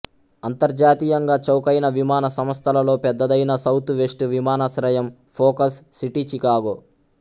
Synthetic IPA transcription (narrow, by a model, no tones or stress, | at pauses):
ɐnt̪ɐɾd͡ʒaːt̪ijɐŋɡaːt͡ʃɐwkɐjnɐʋimaːnɐsɐmɐst̪ʰɐlɐlo̞ːpɛd̪ːɐd̪ɐjnɐsɐwt̪uʋeʂʈuʋimaːnɐsɾɐjɐm | pʰoːkɐsːiʈit͡ʃikaːɡoː